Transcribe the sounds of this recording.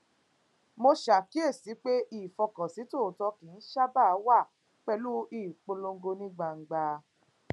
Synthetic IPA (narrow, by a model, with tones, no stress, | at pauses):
mo˧ʃa˨ki˦e˦˨si˨˦k͡pe˦i˦˨fɔ˧kɔ̃˨si˨˦to˦˨tɔ˧kĩ˨˦n̩˦ʃa˦ba˦˨˦wa˦˨ | k͡pɛ˧lu˦iː˦˨k͡po˧lo˧ŋ˦ɡo˧nĩ˦ɡ͡ba˧˨ŋ̩˨ɡ͡ba˧